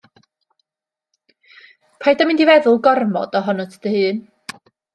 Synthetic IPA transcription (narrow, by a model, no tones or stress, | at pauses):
pʰajdamɪndivɛðʊlˠɡɔrmɔ̰d̥ɔɦɔnɔtʰə̥d̥əhɨːn